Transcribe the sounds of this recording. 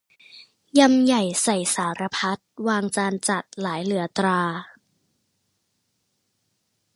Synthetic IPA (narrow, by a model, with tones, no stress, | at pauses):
ja˧mja˨˩jsa˨˩jsaː˩˦ɾa˧pʰa˦˥t̪̚waː˧ŋt͡ɕaː˧nt͡ɕa˨˩t̪̚laː˩˦jlɯ˩˦ɐt̪ɾaː˧